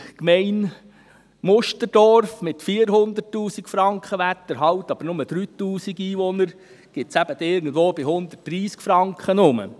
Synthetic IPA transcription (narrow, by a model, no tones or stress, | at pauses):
kmɛɪn | mʊʃtəɾd̥ɔɾfmɪt̪fiːəɾɦʊnd̪ətːuːsikfɾɑŋkχəʋæt̪ːəɾɦɑwt̪ɑb̥əɾnʊməd̥̪ɾyːt̪uːsiɡiːʋɔnəɾ | ɡ̥ɪt̪sæb̥əd̥̪ɪɾɡən̩dʋoːbɪhʊnd̪ət̚d̥ɾiːskfɾɑŋkχənʊmə̰